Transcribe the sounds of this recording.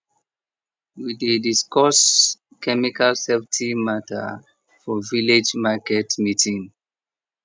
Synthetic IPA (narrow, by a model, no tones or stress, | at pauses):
widediskɔs | kɛmikalsevtʰimatʰa̰ | fɔviled͡ʒmakɛtmitʰĩŋ